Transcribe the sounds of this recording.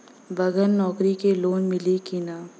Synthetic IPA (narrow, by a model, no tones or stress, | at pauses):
bɐɡənnɔːkɾikeloːnmɪlikinaː